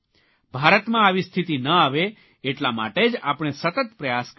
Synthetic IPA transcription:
bʱaɾət̪mãaʋist̪ʰit̪inəaʋeː | ʈlama̰ʈed͡ʒa̰pɽ̃esət̪ət̪pɾəjask

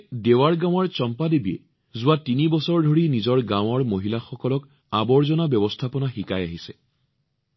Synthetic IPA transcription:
dewaɹɡãw̃ɔɹt͡ʃɔmpadebiɛ̰ | zʊwatinibɔsɔɹdʱoɹinizɔɹɡãw̃ɔɹmoɦilaxɔkɔlɔk | abɔɹzɔnabjɔbɔstʰapɔnaxikajaɦisɛ

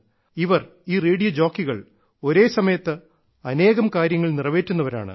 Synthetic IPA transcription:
iʋɐr | iːreːɽijɐd͡ʑo̞ːkːiɣɐɭ | o̞ɾe̞ːsɐmɐjɐt̪ːɨ | ɐne̞ːɣɐmkaːɾjɐŋːɐɭnirɐʋe̞ːtːunːɐʋɐɾa̰ːɳɨ̰

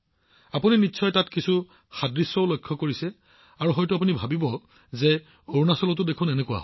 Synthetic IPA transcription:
apuninitːʃʰɔjtatkisu | xadɹisɔʊlojkʰːɔkoɹisɛ | aɹuɦɔjtʊap̬unibʱabibɔ | ze | oɹnasɔlɔtʊdekʰʊ̃nɛnekuwa̰

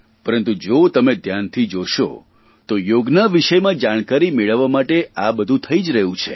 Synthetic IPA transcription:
pəɾənt̪ud͡ʒot̪əmed̪ʱjant̪ʰid͡ʒoʃo̰ | t̪ojoɡnaʋiʃəjmãd͡ʒaɽ̃kaɾimeɭəʋːamaʈeabəd̪ʱũt̪ʰəid͡ʒɾəɦũt͡ʃʰḛ

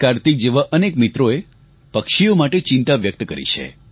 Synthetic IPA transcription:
kaɾt̪ik̚d͡ʒeʋaʔənekmit̪ɾoe | pəkʃijomaʈet͡ʃɪ̃nt̪aʋjək̚t̪kəɾḭt͡ʃʰḛ

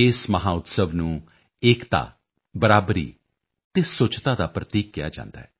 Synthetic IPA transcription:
ɪsməɦaːʊt̪səʋnũː | eːkt̪a̰ː | bəɾaːbɾḭː | t̪eːsʊt͡ʃt̪aːd̪aːpɾət̪iːk̚ɡɪja̰ːd͡ʒã̰ːnd̪a̰ːɦɛː

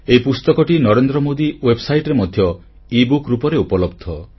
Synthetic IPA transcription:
eipust̪ɔkɔʈinɔɾend̪ɾɔmod̪iwebsajʈɾemɔd̪ʱjɔ | ibukɾupɔɾeupɔlɔbd̪ʱɔ

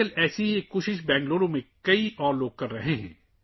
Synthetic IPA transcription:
əlɛːsieːkoːʃɪʃ̬bɛ̃ːŋɡloːɾõmẽkɐiʔɔːɾloːɡ̚kɐɾːɐɦẽɦɛ̰̃ː

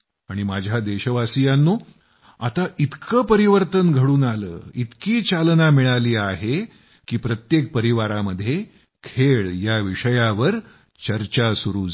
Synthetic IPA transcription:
aɽ̃imad͡ʑʱjad̪eɕəʋasijanːuː | a̰t̪aʔit̪kəːpəɾiʋəɾt̪ənɡʱəɽuːnalə̰ːit̪kiːt͡ɕalnamiɭaliːaɦe | kiːpɾət̪jek̚pəɾiʋaɾaməd̪ʱːje | kʰeɭjaʋiʂəjaʋəɾ | t͡ɕəɾt͡ɕasuɾuːd͡z

